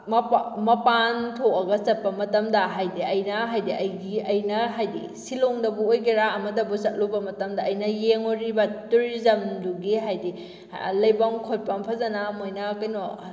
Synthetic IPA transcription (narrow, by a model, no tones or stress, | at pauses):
mmɐpantʰokɐɡɐsɐt̚pɐmɐtɐmdɐɦajdiɐjnɐɦajdiʔɐjɡiɐjnɐɦajdḭ | siloŋdɐbuojɡiɾaɐmɐdɐbusɐt̚lobɐmɐtɐmdɐːjnɐjeŋoɾibɐtuɾizɐmduɡiɦajdḭ | lɐjbaŋkʰot̚pampʰɐzɐnamojnɐkɐjno